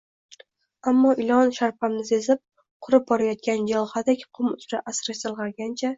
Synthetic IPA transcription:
amːɒʔɪlˠɒnʃaɾpʰamnɪsezɪp̚ | qʰʊɾɪp̚bɒɾajɒt̪̚kʲand͡ʒalˠhad̪akʲqʰʊmʊzɾaʔasɾat̪ɨlˠʁɑɾɡʲant͡ʃʰa

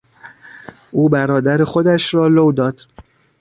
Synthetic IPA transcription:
ʔuːbæɾɒːd̪æɾexod̪æʃɾɒːlowd̪ɒːd̪̥

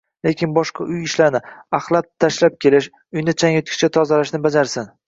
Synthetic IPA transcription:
lekʲɪnbɒʃqɑʔʊjɪʃlaɾnɪaχlˠat̪̚ʰːaʃlap̚kʲʰe̞lɪʃ | ʊjnɪt͡ʃʰaŋot̪̚kʲʰɪ̥t͡ʃat̪ʰɒzalaʃnɪbad͡ʒaɾsɪn

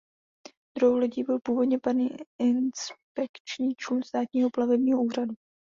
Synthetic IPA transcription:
d̪ɾowlɛciːbɪlpuːvo̞dɲɛpaɾniːɪnspɛkt͡ʃɲiːt͡ʃlunst̪aːt̪ɲiːɦo̞plavɛbɲiːɦoʔuːradu

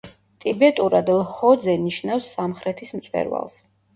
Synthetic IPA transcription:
t̪ʼibɛt̪ʼuɾad̪lhɔd̪zɛniʃnafsːamχɾɛt̪ʰismt̪sʼwɛ̰ɾwa̰lˠs

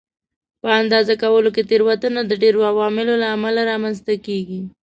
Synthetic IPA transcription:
pəand̪ɑzakawəlok̬et̪eɾwat̪ənad̪əɖeɾoawɑmɪlolaːmalaɾɑmanzt̪akeɡi

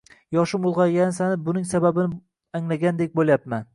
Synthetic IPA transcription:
jɒʃʊmʊlˠʁɑjʲansanɪbʊnɪŋsababɪnɪ | aŋlaɡʲand̪ek̚ʲbolˠjapman

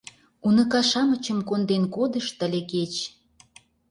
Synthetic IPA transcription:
unə̆kɑʃɑmə̆t͡ɕə̆mkond̪enkod̪ə̆ʃt̪ə̆lʲeket͡ɕ

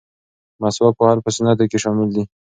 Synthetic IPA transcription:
maswak̚pohaɾpəsɪnat̪akeʃɑmɪld̪i

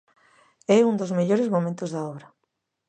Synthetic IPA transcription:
ɛund̪ozmeʎoɾezmomẽnt̪ozðaɔβɾɐ

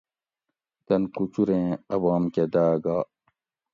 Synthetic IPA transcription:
t̪ɐnkut͡ɕuɾẽːɐbaːmked̪aːɡaː

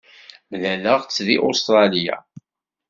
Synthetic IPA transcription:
mlæləʁt͡sːðiʔʊst̪ɾˤɑlija̰

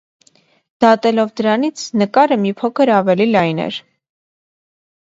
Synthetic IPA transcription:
d̪̥ɑt̪ɛlɔvd̪əɾɑnit͡sʰnəkɑɾəmipʰɔkʰəɾɑvɛlilɑjnɛ̰ɾ

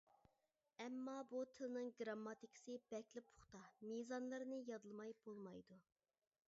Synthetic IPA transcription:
ɛmːɑbut̪ʰɪlɪnɨŋɡɾɑmːɑt̪ikʰsɨb̥ɛkʲlɪpʰʊ̥χt̪ɑmizɑnlˠɨɾnɨjɑd̪ɨlˠmɑjb̥olˠmɑjd̪u

